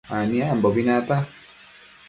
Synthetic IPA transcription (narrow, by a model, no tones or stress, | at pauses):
anĩambɔbinat̪a